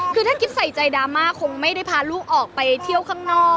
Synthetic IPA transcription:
kʰɯː˧t̪ʰnkʰi˦˥p̚sa˨˩jt͡ɕa˧˩jdaː˧maː˧˥˩kʰo˧ŋma˥˩jda˥˩jpʰaː˧luː˥˩k̚ʔɔː˨˩k̚pa˧jt̪ʰi˥˩əwkʰaː˥˩ŋnɔː˥˩

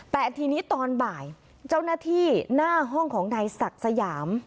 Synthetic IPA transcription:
pɛː˨˩t̪ʰiː˧niː˦˥t̪ɔː˧nbaː˨˩j | t͡ɕa˥˩wnaː˥˩t̪ʰiː˥˩naː˥˩ɦɔ˥˩ŋkʰɔː˩˦ŋnaː˧jsa˨˩k̚sa˧jaː˩˦m

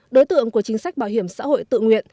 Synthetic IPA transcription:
ɗo˨˦jt̪ɨ̰˧˨əŋku˧˩ət͡ɕï˨˦ŋ̟sa˦˥jk̟̚ɓaː˧˩wɦi˧˩əmsa̰ː˧˥ho̰˧˨jt̪ɨ̰˧˨ŋwḭ˧˨ən

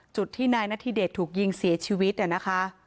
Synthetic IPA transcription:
t͡ɕu˨˩t̪ʰːiː˥˩naː˧jnaː˥˩t̪ʰiː˧deː˨˩t̪ʰːuː˨˩k̚ji˧ŋsi˨˩˦t͡ɕʰiː˧wi˦˥t̪̚ʔa˨˩na˦˥kʰa˦˥ʔ

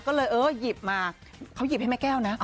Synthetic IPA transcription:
kɔː˥˩lɤː˧jʔɤː˨˧˥ji˨˩p̚maː˧ | kʰa˦˥wji˨˩p̚ha˥˩ma˦˥˩kɛː˥˩wna˦˥ʔ

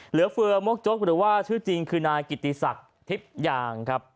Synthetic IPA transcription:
lɯ˩˦ɐfɯ˧ɐmo˦˥k̚t͡ɕo˦˥k̚ɾɯː˩˦waː˥˩t͡ɕʰɯː˥˩t͡ɕi˧ŋkʰɯː˧naː˧jki˨˩t̪ːi˨sa˨˩k̚ | t̪ʰi˦˥p̚jaː˧ŋkʰɾa˦˥p̚

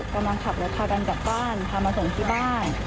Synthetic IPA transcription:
ka˧mla˧ŋkʰa˨˩p̚lɛ˦˥p̪ʰaː˧ka˧nt͡ɕaː˨˩k̚baː˥˩nt̪ʰaː˧mːaː˧so˨˩ŋt̪ʰiː˥˩baː˥˩n

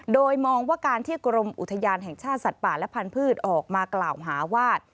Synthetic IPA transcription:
doː˧jmɔː˧ŋwaː˥˩kaː˧nt̪ʰiː˥˩kɾo˧mʔu˨t̪ʰːa˧jaː˧nɦɛ˨˩ŋt͡ɕʰaː˥˩t̪̚sa˨˩t̪̚paː˨˩lɛ˦˥pʰa˧npʰɯː˥˩t̪̚ʔɔː˨˩k̚maː˧klaː˨˩wɦaː˩˦waː˥˩t̪̚

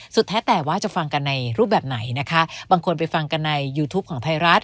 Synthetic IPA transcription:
su˨˩t̪ʰːɛː˦˥t̪ɛː˨˩waː˥˩t͡ɕa˨˩ʔfa˧ŋka˧nːa˧jɾuː˥˩bɛː˨˩p̚na˩˦jna˦˥kʰa˦˥baː˧ŋkʰo˧npa˧jfa˧ŋka˧nːa˧jːuː˧t̪ʰuː˦˥p̚kʰɔː˩˦ŋt̪ʰa˧jɾa˦˥t̪̚

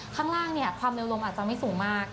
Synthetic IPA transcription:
kʰaː˥˩ŋɾaː˥˩ŋni˥˩ɐkʰwaː˧mleː˧wlo˧ʔaː˨˩t̪t͡ɕa˧˩ma˥˩jsuː˩˦ŋmaː˥˩k̚

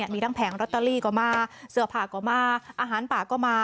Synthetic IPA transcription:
əmiː˧ɾa˥˩ŋpʰɛː˩˦ŋɾoː˧˩t̪ːa˧liː˥˩kɔː˧˩maː˧sɯ˧˩əpʰaː˨˩kɔː˧˩maː˧ʔaː˧ɦaː˩˦npaː˨˩kɔː˥˩maː˧

